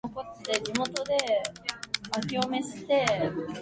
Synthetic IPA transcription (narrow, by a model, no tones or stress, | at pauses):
oko̞t̪ːe̞ɾʲimo̞t̪o̞d̪e̞ | akʲio̞me̞ɕi̥t̪e̞